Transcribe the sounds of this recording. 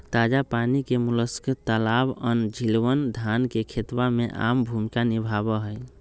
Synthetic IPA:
t̪ad͡ʒapanikemuləskit̪ːəlabənd͡ʒʱilwənd̪ʱankekʰet̪wameʔa̰mbʱumikanibʱabəɦəj

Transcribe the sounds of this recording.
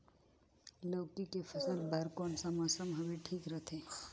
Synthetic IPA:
loːkikepʰəsəlbɐɾkoːnsəməsəmbʱəwiʈʰiːkɾət̪ʰẽː

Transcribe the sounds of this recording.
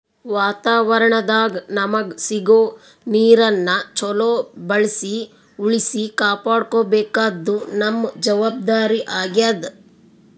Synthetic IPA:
ʋaːt̪aːʋɐɾɐɳɐd̪aːɡɐnɐmɐɡsiɡoː | niːɾɐnːɐt͡ʃɔloːbɐɭisi | uɭisikaːpaːɽkoːbɛːkaːd̪ːunɐmːd͡ʒɐʋaːb̚d̪aːɾiʔaːɡjad̪

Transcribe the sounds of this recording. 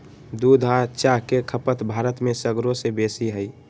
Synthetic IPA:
d̪ud̪ʱat͡ʃakekʰəpət̪bʱaːɾət̪mẽsəɡɾosebesiɦəi

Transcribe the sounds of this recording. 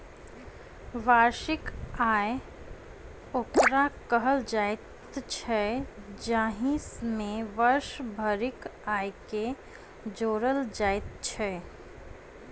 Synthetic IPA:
ʋaːɾʃɪkaːe | oːkɾakəɦəld͡ʒaːjt̪ | t͡ʃʰɛd͡ʒaːɦĩsmẽʋəɾʃbʱəɾɪkaːjke | d͡ʒoːɾəld͡ʒaːet̪t͡ʃʰɛ

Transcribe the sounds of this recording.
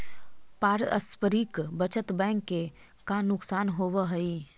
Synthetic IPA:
paːɾə̰spəɾiːkbət͡ʃət̪bɛ̃ːŋkːe | kanʊksaːnɦoːʋəɦɐi

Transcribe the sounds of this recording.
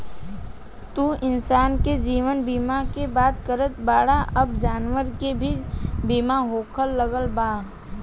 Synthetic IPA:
t̪uʔɪnsaːnked͡ʒiːʋənbiːmakebaːt̪kəɾət̪baːɽaɐbd͡ʒaːnʋəɾkebʱibiːmaɦoːkʰəlːəɡəlbaː

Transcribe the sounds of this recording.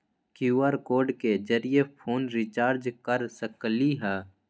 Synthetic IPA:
kjuːaɾkoːɾɖked͡ʒəɾijepʰoːnɾɪt͡ʃaːɾd͡ʒkəɾsəkliɦɛː

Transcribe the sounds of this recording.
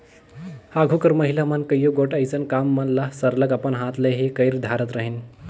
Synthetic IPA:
haɡʱukəɾməɦilamənkəjoɡoʈəjt͡sənkamːənlasəɾləɡapəɳɦãt̪ləɦikəjɾd̪ʱaɾət̪ɾəɦin

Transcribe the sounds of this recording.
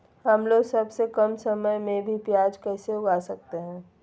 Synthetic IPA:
hɐmloːɡsɐbsekɐmsɐməjmẽbʱipjaːd͡ʒkɛːseʊɡaːsɐk̚t̪eɦɛ̃ː

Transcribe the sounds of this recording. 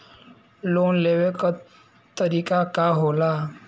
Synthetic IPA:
lonleʋek | t̪əɾikakaɦola

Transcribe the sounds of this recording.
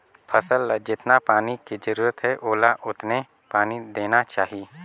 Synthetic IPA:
pʰəsəld͡ʒɪt̪napaːnikid͡ʒəɾuːɾət̪ɦɛʔoːlaʔʊt̪ne | paːnid̪eːnat͡ʃaːɦi

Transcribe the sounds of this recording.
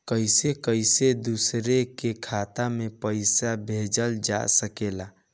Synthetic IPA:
kəjsekəjsed̪usɾekekʰat̪amepəɪjsabʱed͡ʒəld͡ʒa̰səkela

